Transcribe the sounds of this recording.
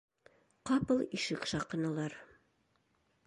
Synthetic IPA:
qɑpɤlˠiʃɘkʃɑqɤ̆nɑlˠɑɾ

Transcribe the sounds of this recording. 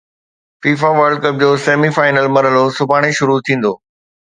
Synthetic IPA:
fiːfaʋəɾɖ̚kəp̚d͡ʑoːseːmifaːɪnəlmɐɾɦəlosʊbʱaːɽ̃eʃʊɾut̪ʰĩːn̆d̪oː

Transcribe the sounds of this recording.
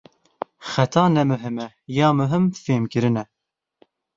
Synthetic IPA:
xɛt̪ʰɑːnɛmɨɦɨmɛ | jɑːmɨɦɨmfeːmkɨɾɨnɛ

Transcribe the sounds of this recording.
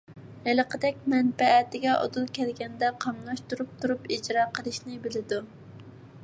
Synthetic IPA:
hæləqʰəd̪ɛk̚ʲmɛnpɛːt̪ɪɡʲɛʔo̰d̪ulˠkʲʰɛlɡʲɛnd̪ɛqʰɑmlˠɑʃt̪uɾup̚t̪ʰuɾupid͡ʒɾɑːqʰəlˠɨʃnɪbɪlɪd̪u

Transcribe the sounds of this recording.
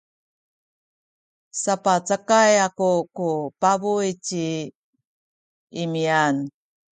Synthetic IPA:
sapat͡səkajakukupabujt͡ɕi | imian

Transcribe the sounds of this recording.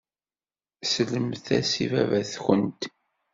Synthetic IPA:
sələmθæsivævæθxənt̪

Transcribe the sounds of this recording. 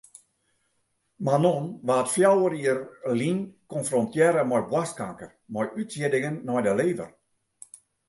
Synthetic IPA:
manɔnʋaːtfjawəɾiərlinkɔnfrɔntjɛɾəmɔjbwaskaŋkərmɔjytsjɪdɪŋənːɔjdəleːvə̰r

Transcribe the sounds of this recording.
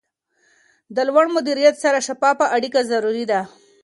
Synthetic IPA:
d̪əlwaɳmʊd̪iɾijat̪saɾaʃapɑpəʔaɽikazaɾuɾid̪a

